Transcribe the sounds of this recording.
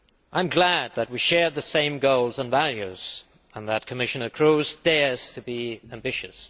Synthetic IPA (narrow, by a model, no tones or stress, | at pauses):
ʔãɪ̃mɡlæd̪̚ðət̚wiʃɛɹðɨsẽɪ̃mɡoʊlˠzə̃nvælˠjʉz̥ | ə̃nðət̚kʰəmɪʃɨnə˞kʰɹ̥uzdɛɹz̥tʰɨbiæ̃mbɪʃɨs